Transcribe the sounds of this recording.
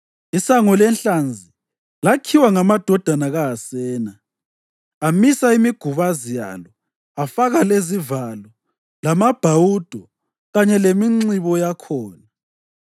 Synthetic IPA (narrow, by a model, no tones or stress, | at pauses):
isaŋɔlɛnɬand͡zʱi | lakʰiwaŋamad̥ʱɔd̥ʱanaɣaːsɛːna | amisaimiɡ̥ʱuβazija̰lɔ | afaɣalezivalɔ | lamab̥ʱawud̥ʱɔ | ɣaɲɛlemiŋ͡ǀiβɔjakʰɔːna